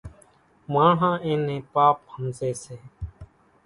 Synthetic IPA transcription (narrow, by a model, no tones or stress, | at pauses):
mãːɳ̤ãːʔẽːnẽːpaːp̚həmseːseː